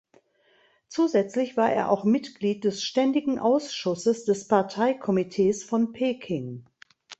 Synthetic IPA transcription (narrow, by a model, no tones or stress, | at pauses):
t͡suːzɛt͡slɪçv̥aːɐʔḛːɐʔa̰ʊxmɪtɡ̥liːt̚d̥ɛsʃtɛndɪɡŋ̩ʔaʊsʃʊsəsd̥ɛspaɐtʰaɪkʰɔmitʰeːsfɔnpʰeːkʰɪŋ